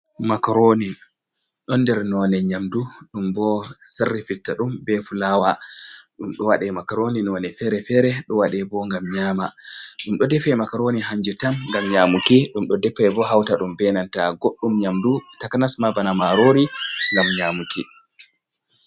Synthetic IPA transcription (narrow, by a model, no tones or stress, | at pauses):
makaɾoni | ɗɔnːdɛɾnɔnɛɲamduɗumbɔsarːifitːaɗumbɛfulawaɗumɗɔwaɗɛmakaɾoninɔnɛfɛɾɛfɛɾɛɗɔwaɗɛbɔŋɡamɲaːmaɗumɗɔdɛfɛmakaɾoniɦaɲd͡ʒɛtamŋɡamɲaːmukiɗumɗɔdɛpːɛjbɔɦawtaɗumbɛnantaɡoɗːumɲamdutakanasmavanamaɾoɾilamɲamuki